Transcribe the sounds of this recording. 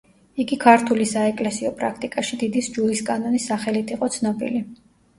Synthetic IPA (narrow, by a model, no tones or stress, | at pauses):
iɡikʰaɾt̪ʰulisaɛkʼlɛsiɔpʼɾakʰt̪ʼikʼaʃid̪id̪isd͡ʒuliskʼanɔnisaχɛlit̪ʰiqʼɔt̪sʰnɔbḭli